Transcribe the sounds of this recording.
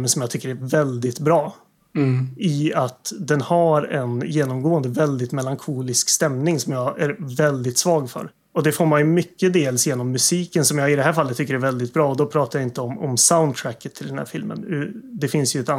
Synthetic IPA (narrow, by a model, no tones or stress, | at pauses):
mənsɔmjɑːɡt̪ʰʏkːəɾæɾvɛld̪ɪt̪bɾɑː | ɪat̪d̪ɛnhaɾɛ̰njeːnɔmɡoːənd̪əvɛld̪ɪt̪mɛlaŋkʰuːlɪskst̪ɛmnɪŋsɔmjɑːæɾvɛld̪ɪt̪svɑːɡfœ̰ɾ | ɔd̪ɛfoːɾmanjɵmʏkːəd̪eːlsjeːnɔmːɵsiːkənsɔmjɑːɪd̪ɛɦæːɾfalːət̪ʰːʏkːəɾæɾvɛld̪ɪt̪̚bɾɑːɔd̪ɔpʰɾɑːt̪ajaɪnt̪əɔmɔ̰msaʊnd̪̚t̪ʰɾækːət̪ʰːɪld̪ɛnhæ̰ɾfɪlmə̰nʉd̪ɛfɪnsjɵɛt̪a